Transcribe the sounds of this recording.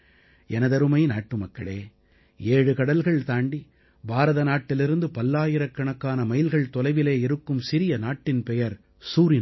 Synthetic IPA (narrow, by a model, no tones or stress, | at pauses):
ɛnɐðɐɾɯmɐɪnaːʈːɯmɐkːɐɭeː | eːɻɯkɐɽɐlɣɐɭt̪aːɳɖi | bʱaːɾɐðɐnaːʈːɪlɪɾɯnd̪ɯpɐlːaːjɪɾɐkːɐɳɐkːaːnɐmɐjɪlɣɐɭt̪ɔlɐɪʋɪleːɪɾɯkːɯmsɪɾɪjɐnaːʈːɪnpɛjɐɾ | suːɾɪn